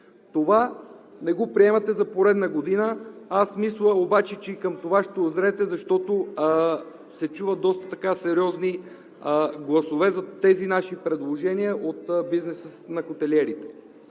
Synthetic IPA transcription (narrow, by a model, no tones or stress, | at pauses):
t̪ovanɛɡopɾiɛmɐt̪ɛzɐpoɾɛd̪nɐɡod̪inəasmislˠəobat͡ʃɛt͡ʃɛikəmt̪ovaʃt̪ɛʊzɾɛt̪ɛzɐʃt̪ɔt̪o | sɛt͡ʃuvət̪̚d̪ɔst̪ə̥t̪ɐkasɛɾiɔzni | ɡlˠɐsovɛzɐt̪ɛzinaʃipɾɛd̪lˠoʒɛniəʔot̪biznɛsəsnɐxot̪ɛlɛɾit̪ɛ̥